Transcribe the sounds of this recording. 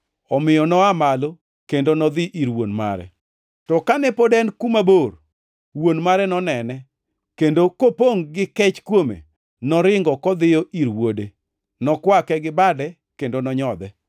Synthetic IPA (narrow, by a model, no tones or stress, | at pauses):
ɔmɪjɔnɔamalo | kendonɔd̪ɪʔiɾwonma̰ɾɛ̰ | tɔkanɛpodɛnkumabor | wonmaɾɛnɔnɛnɛ | kendokopoŋɡɪkɛt͡ʃkwomḛ | nɔɾɪŋɡɔkɔd̪ɪjɔʔiɾwode | nɔkwakɛɡɪbadɛ | kendonɔɲɔd̪ɛ